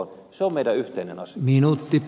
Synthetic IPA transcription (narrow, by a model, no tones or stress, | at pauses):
n | seomeidæyht̪einḛnɑsminut̪ːip